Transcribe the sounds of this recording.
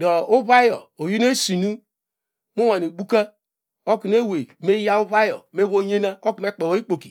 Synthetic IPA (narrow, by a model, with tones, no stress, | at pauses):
do˨u˦βa˦jo˨o˨ju˦n˦e˦si˨nu˦ | mo˦wa˨ni˨ɡ͡bu˦ka˦ | o˦ki˨n˦e˦we˨me˦ja˦u˦βa˦jo̰˨me˦βo˦ɲe˦na˦o˦ku˨me˦k͡pe˨wo˨˦i˦k͡po˨ki̥˨